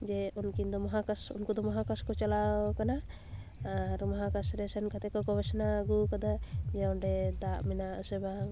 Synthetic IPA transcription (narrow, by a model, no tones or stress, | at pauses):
d͡ʒɛunkind̪ɔmɔɦakasṵnkud̪ɔmɔɦakaskɔt͡ʃalawkana | aɾmɔɦakasɾɛsɛnkat̪ɛkɔɡɔbɛsnaɡukad̪ad͡ʒɛɔnɖɛd̪aʔmɛnaəsɛbaŋ